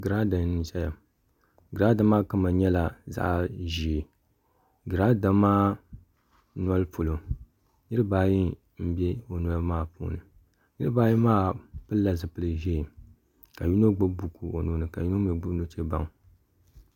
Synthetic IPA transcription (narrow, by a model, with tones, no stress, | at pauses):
ɡɨ˨ɾa˦da˨n˦nɨ˦n˦ʃɛ˦ja˨ | ɡɨ˨ɾa˦da˦maː˦ka˦ma˨ɲɛ˦la˨za̰˦ʔʒi˨e˨ | ɡɨ˨ɾa˦da˦maː˦ | n˦ɔ˦lɨ˦pʰo˨lo˨ | nɨ˦ɾɨ˦baː˦ji˦ | m̩˦bɛ˦o˨n˨a˦lmaː˦˨pṵː˦nɨ˨ | nɨ˦ɾɨ˦baː˦ji˦maː˦pɨ˦lːa˨zɨ˨pɨ˦lɨ˨ʒɛ˦˨ | ka˨ju˦no˦ɡ͡bʊ˦bbu˨ku˨o˨nuː˦nɨ˨ka˨ju˦no˦mɛ˨˦ɡ͡bu˦bno˦t͡ʃe˦ba˦ŋ